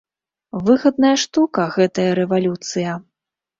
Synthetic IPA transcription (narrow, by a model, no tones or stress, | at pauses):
vɨɣɐd̪̚nɐjɐʂt̪ukɐɣɛt̪ɐjɐɾɛvalʲut̪sɨjɐ